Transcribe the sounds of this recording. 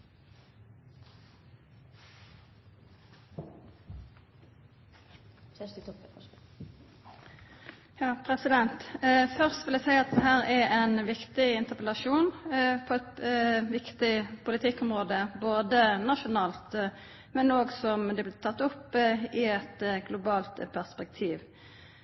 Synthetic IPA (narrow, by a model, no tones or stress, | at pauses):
jɑːpʰʁɛsɪd̪ɛnt̪fœʁst̪ʋɪlæsæɪɑt̪̚d̪ɛɦæːʁɛɾɛɪnʋɪkt̪ɪɪnt̪əʁpəlɑʃuːnpʰɔɛt̪ʋɪkt̪ɪpʰʊlɪt̪ʰɪkːʊmʁoːd̪əboːd̪ənɑʃʊnɑːlt̪ | mɛnoːɡsɔmd̪ɛblɪt̪ʰɑt̪ːʊpːɪɛt̪ɡlʊbɑːlt̪pʰæʁspɛk̚t̪ʰiːʋ